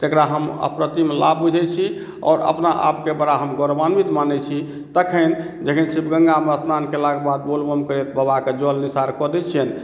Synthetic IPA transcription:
t̪ekɾaɦəmə̰pɾət̪imla̰bbud͡ʒʱɛt͡ʃʰi | ɔ̰ːɾə̰pnaʔa̰pkebəɾaɦəmɡɔɾbanmit̪manɛt͡ʃʰi | t̪əkʰəɪn | d͡ʒəkʰinsibɡə̃ŋɡaməsmankelaɡebad̪bolbəmkəɾɛt̪bəbaked͡ʒɔlnisaɾkɔd̪ɛt͡ʃʰən

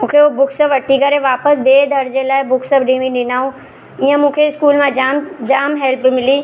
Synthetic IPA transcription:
mũːkʰeobʊkʰsəbʋɐʈːikɐɾeʋaːpəsbeːd̪ʱɐɾd͡ʑelaːɪbʊkʰsəbɗĩːʋĩɗɪnaːɦũ | ijə̃mũːkʰeɪskuːlmãd͡ʑaːmd͡ʑaːmɦɛlpmɪliː

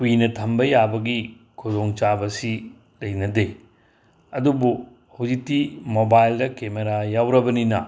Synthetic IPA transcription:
kuinɐtʰɐmbɐjabɐɡi | kʰuzoŋt͡ʃabɐsi | lɐjnɐde | ɐdubu | hɐwzik̚tːimobajldɐkemeɾajawɾɐbɐninɐ̰

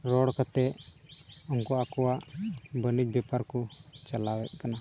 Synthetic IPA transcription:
ɾɔɽkat̪ɛ | ɔŋkɔakɔwaʔbənit͡ʃ̚bɛpaɾkɔt͡ʃalawɛt̪̚ˀkana

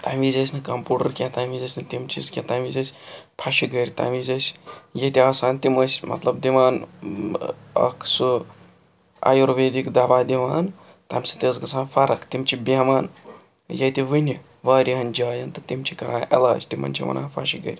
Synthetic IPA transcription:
t̪amizɐsʲnɨkɐmpuːʈɐɾkʲat̪aːmizɐsʲnɨt̪imt͡ʃʰizkʲat̪amizɐsʲpʰaʃiɡəɾʲt̪a̰mizɐsʲjɐt̪iaːsaːnt̪imɐsʲmɐ̰t̪lɐbd̪imaːn | ɐ̰kʰsu | a̰joɾʋeːd̪ikd̪aːbaːd̪imaːn | t̪ɐmsi̥t̪ezɡɐsʰaːnfʰɐɾɐkt̪imt͡ʃʰibamaːn | jɐt̪iʋɨni | ʋaːɾʲiɦɐnd͡ʒaːjɐnt̪ɨt̪imt͡ʃʰikɐɾaːʔḛlɐːt͡ʃt̪imɐ̰nʲt͡ʃʰḭmɐ̰na̰ːpʰa̰ʃiɡə̰ɾʲ

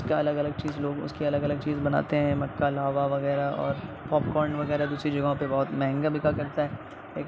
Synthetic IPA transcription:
skaɐləɡɐləɡ̚t͡ʃiːzloːɡʊ̰skiɐləɡɐləɡ̚t͡ʃiːzbɐna̰ːt̪eɦɛ̃mɐkːalaːʋaʋɐɣɛːɾaɔ̰ːɾ | pɔːpkɔːɾɳɖʋɐɣɛːɾad̪uːsɾid͡ʒɐɡɦõpebɔːt̪mɛɦə̃ŋɡabʱɪkakɐɾt̪aɦɛː | eːk

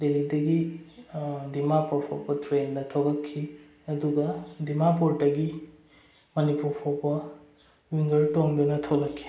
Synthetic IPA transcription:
delidɐɡi | dimapɔɾpʰɔ̰pɐtɾendɐtʰawlakʰːi | ɐduɡɐdimapoɾtɐɡi | mɐnipuɾpʰɔpɐ | wiŋɡɐɾtoŋdunɐtʰowlakʰːi̥

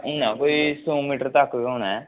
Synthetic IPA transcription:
ɪnãːkoːiːsõːmiːʈəɾt̪əkːioːñaɛ

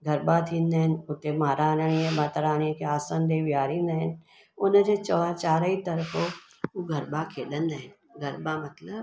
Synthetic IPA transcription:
ɡʱəɾbaːt̪ʰinːɛnʊt̪emaːɾaːnəniẽbaːt̪əɾaːniẽkeaːsand̪eːʋjaːɾinən | ʊnəd͡ʒet͡ʃɔːat͡ʃaːɾəit̪ɐɾəfʰo | uɡʱəɾbakʰeːd̪ənːən | ɡʱɐɾbamɐt̪ləb

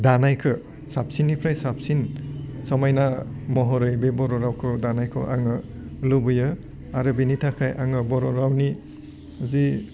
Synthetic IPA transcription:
danajkʰɯ | sap̚sinːipʰɾajsap̚sinsɔmajnamɔɦɔɾɯjbebɔɾɔɾawkʰɯdanajkʰɯ̰ʔa̰ŋɯlubɯjɯ | aɾɯbinitʰakʰajʔa̰ŋɯbɔɾɔɾawni | zi

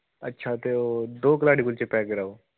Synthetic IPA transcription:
ə̰tːʃʰat̪eod̪oːkəlaɖikult͡ɕepɛkeɾao

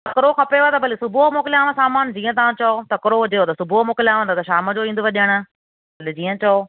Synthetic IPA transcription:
t̪ɐkɪɾoxɐpeʋt̪ɐbɐlisʊbʱuɦmoːkɪlɪjaːʋə̃saːmaːnd͡ʑiːə̃t̪ɐʋ̤ãt͡ɕɐot̪ɐkɪɾoɦʊd͡ʑeoːt̪ɐsʊbʱuɦmoːkɪljaːʋə̃t̪ɐt̪ɐʃaːməd͡ʑoĩːnd̪ʊʋɐʄəɽ̃ʊ̆ | bɐlid͡ʑiːə̃t͡ɕɐo

